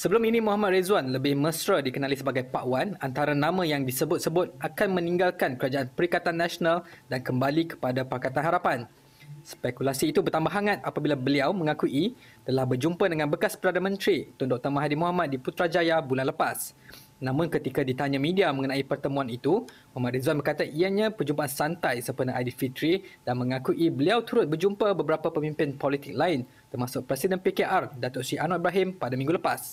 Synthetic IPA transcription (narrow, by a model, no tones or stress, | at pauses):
səbəlʊminĩmũɦamat̪̚ɾezuanləbɪhməsɾədikənalisəbaɡajpaʔwanant̪aɾanãmãjaŋdisəbʊt̪̚səbʊt̪̚ʔakanmə̃nĩŋɡalkankəɾad͡ʒaanpəɾikat̪anːasonaldankəmbalikə̥padapakat̪anɦaɾapan | spɛkulasiːt̪ubərt̪ambaɦaŋat̪̚apabilabəliawmə̃ŋãkuʔi | t̪əlahbərd͡ʒumpadəŋanbəkaspəɾadamə̃nt̪ɾit̪ɔndɔk̚t̪əmaɦadimuɦamat̪̚diput̪ɾad͡ʒajabulanləpas | nãmʊ̃nkət̪ikadit̪aɲamĩdiamə̃ŋənaipərt̪əmũanit̪u | mamaɾizuanbərkat̪aʔiaɲãpəd͡ʒumpaʔansant̪ajsəpərnaʔadid̪fit̪ɾid̥anmə̃ŋakuʔibəliawt̪uɾʊt̪̚bərd͡ʒumpəbəbəɾapapəmĩmpɪnpɔlit̪ɪk̚laɪn | t̪ərmasʊk̚pɾɛsidənpekeʔardat̪ʊtsiʔanɔibɾaɦɪmpadamĩŋɡuləpas